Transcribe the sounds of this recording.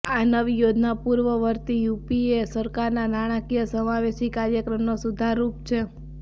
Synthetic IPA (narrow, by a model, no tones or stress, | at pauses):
anəʋijod͡ʒ̪ʱnapuɾʋəʋəɾt̪ijupiesəɾkaɾnanaɽ̃akijəsəmaʋeʃikaɾjəkɾəmnosud̪ʱaɾupt͡ʃʰe